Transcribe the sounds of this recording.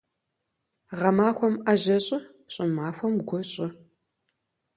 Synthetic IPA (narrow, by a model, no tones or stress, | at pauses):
ʁɐmaːxʷɔmaʑɐɕʼɪ | ɕʼɪmaːxʷɔmɡʷɔɕʼɪ